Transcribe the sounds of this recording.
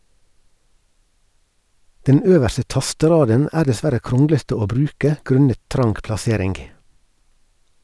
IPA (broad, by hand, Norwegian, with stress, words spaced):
ˈdɛn ˈøːʋæɾsə ˈtɑstəˌɾɑːdən ˈʔæːɾ dɛˈsʋæɾə ˈkɾɔŋɡlətə ˈoː ˈbɾʉːkə ˈɡɾʉnət ˈtɾɑŋɡ plɑˈseːɾɪŋɡ